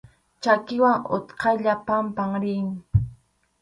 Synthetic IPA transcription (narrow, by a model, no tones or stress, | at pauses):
t͡ʃakɪwaŋʊ̰t̪qʰɑjʎapampaŋɾɪŋ